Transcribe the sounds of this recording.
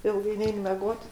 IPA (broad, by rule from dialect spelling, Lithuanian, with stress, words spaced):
ˈɪlˠɡɐɪ ˈnʲɛɪn mʲɛˈɡoːt